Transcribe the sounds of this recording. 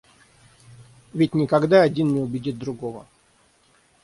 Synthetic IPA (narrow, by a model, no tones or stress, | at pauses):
vʲɪtʲnʲɪkɐɡd̪aɐdʲinnʲɪʊbʲɪdʲit̪̚d̪ɾʊɡovə̰